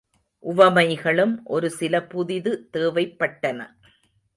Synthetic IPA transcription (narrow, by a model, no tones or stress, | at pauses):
ʔʊʋɐmɐɪɣɐɭɯmʔɔɾɯsɪlɐpʊðɪðɯt̪eːʋɐɪpːɐʈːɐnɐ̰